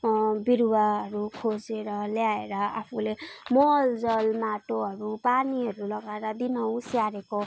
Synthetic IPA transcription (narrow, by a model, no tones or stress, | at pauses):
biɾwaɦʌɾukʰod͡zeɾʌljaeɾʌapʰulemoɦʌld͡zʌlmaʈoɦʌɾupaniɦʌɾulʌɡaeɾʌd̪inʌwsjaɾeko